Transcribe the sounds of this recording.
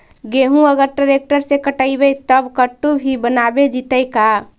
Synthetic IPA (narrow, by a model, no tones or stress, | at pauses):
ɡeɦũəɡəɾʈɾəɾek̚ʈəɾsekəʈəibɛt̪əbkəʈːubʱibənabed͡ʒit̪əjka